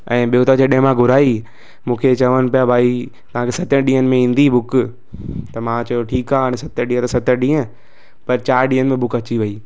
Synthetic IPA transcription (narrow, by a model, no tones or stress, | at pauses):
ɛ̃ːɓijot̪əd͡ʑeɗẽɦmãɡʱʊɾaːi | mũːkʰet͡ɕɐʋənɪ̆pijabʱaːi | t̪ɐʋ̤ãkʰeːsɐt̪ə̃ɗĩːɦənɪ̆mẽĩːn̆d̪ibʱʊk | t̪ɐmãt͡ɕɐjoʈʰiːkaːɐnɛ̃sɐt̪əɗĩːə̃t̪ɐsɐt̪əɗĩːə̃ | pɐɾt͡ɕaːɾɗĩːənɪmẽbʱʊkɐt͡ɕiʋɐiː